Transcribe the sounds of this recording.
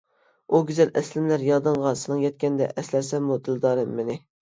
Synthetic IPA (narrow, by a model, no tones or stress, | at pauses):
uɡʲyzɛlʔɛslɪmlæɾjɑd̪ɨɴʁɑsɨnɨŋjɛt̪̚kʲɛnd̪ɛ̰ʔɛslæɾsɛmmud̪ɪlˠd̪ɑːɾɨmːɪnɪ